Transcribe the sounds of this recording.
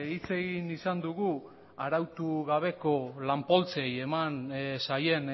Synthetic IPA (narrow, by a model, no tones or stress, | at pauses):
it͡se̞ɣinisand̪uɣu | aɾawt̪uɣaβ̞e̞ko̞lampo̞lt͡se̞je̞mansaje̞n